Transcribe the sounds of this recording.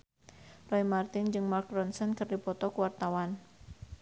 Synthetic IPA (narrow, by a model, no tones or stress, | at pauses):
rɔimart̪ɪnd͡ʒɨŋmark̚ɾɔnsɛnkɨrdipɔt̪ɔkuwart̪awan